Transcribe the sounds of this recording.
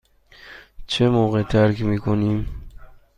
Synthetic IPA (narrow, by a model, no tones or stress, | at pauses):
t͡ɕʰemoɣet̪ʰaɾkimikonim